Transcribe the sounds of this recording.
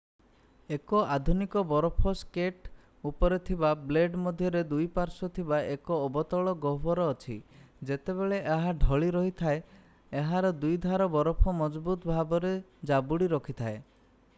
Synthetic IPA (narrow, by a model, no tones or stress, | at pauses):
ekɔʔad̪ʱunikɔbɔɾɔpʰɔskeʈ | upɔɾet̪ʰibableɖmɔd̪ʱjɔɾed̪ujpaɾsɔt̪ʰibaʔekɔːbɔt̪ɔɭɔɡɔɦbɔɾɔːt͡ʃʰi | d͡ʒet̪eβeɭeʔaɦaɖʱɔɭiɾɔɦit̪ʰae | eɦaɾɔd̪ujd̪ʱaɾɔbɔɾɔpʰɔmɔd͡ʒbut̪bʱabɔɾe | d͡ʒabuɽiɾɔkʰit̪ʰae